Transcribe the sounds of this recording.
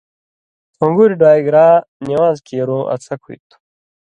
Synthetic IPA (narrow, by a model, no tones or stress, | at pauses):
ũŋɡuɾiɖwaːjɡɾaːniwaːzkʰeːɾũʔɐ̰t͡sʰɐkʰṵjt̪u̥